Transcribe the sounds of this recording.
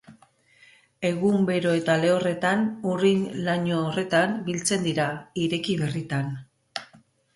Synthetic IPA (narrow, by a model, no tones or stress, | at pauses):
e̞ɣumbe̞ɾo̞e̞t̪ale̞o̞re̞t̪anurinlaɲoːre̞t̪ambilt͡se̞nd̪iɾaiɾe̞kiβe̞rit̪an